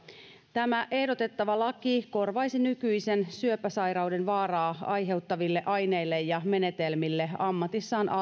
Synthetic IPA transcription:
t̪æmæʔe̞hdo̞t̪e̞t̪ːɑʋɑlɑkiko̞rʋɑisinykyise̞nsyøpæsɑjɾɑwde̞nʋɑːrɑːɑjɦe̞wt̪ːɑʋilːe̞ʔɑjne̞ilːe̞jːɑme̞ne̞t̪elmilːe̞ɑmːɑt̪isːɑːnʔɑ

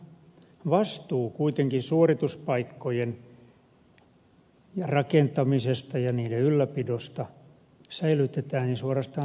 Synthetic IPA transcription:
ʋɑst̪uːkuit̪eŋkinsuorit̪uspɑikːojen | jɑrɑkent̪ɑmisest̪ɑjɑniːdeylːæpidost̪ɑ | sæilyt̪et̪æːninsuorɑst̪ɑː

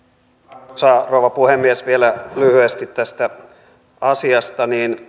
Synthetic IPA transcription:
sɑːrouʋɑpuhemːiesʋielælyhyest̪it̪tæst̪æ | ɑsiɑst̪ɑniːn

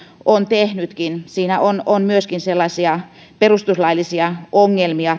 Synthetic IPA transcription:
ʔont̪ehnyt̪kinsiːnæʔononmyøskinselːɑsiɑ | perust̪uslɑilːisiɑoŋːelmiɑ

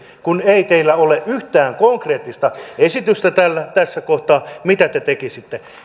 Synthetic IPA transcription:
kuneit̪eilːæoleʔʔyht̪æːŋkoŋkreːt̪ːist̪ɑesit̪yst̪æt̪ælːæt̪æsːækoht̪ɑːmit̪æt̪et̪ekisit̪ːe

